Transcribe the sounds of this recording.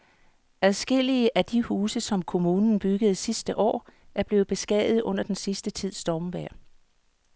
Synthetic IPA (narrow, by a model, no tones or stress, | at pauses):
æðˠsɡ̥e̝l̰iəʔæd̥ihuːsəsɒ̽mkʰo̝muːnn̩b̥yɡ̥əð̞̩ˠsisd̥əʔɒ̰ːʔæɐb̥le̝ːð̩ˠb̥e̝sɡ̥ɛ̰ːðð̩ˠɔ̽n̰ɐd̥ensisd̥ət͡sʰið̞̰ˠsd̥ɒːmʋæɐ̰